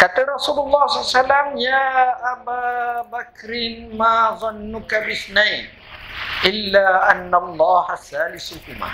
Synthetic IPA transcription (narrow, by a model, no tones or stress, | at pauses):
kat̪aɾˤɑsuːlʊlˤːɑːhsˤlːasalːamjaːʔabaːbakɾɪnmaːðˤɑnːʊkabɪθnajn | ʔɪlːaːʔanːalˤːɑːhasaːlɪsʊhʊma̰ː